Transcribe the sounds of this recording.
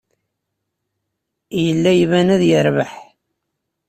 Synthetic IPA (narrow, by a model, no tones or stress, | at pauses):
jəlːæjvænæðjəɾvəħ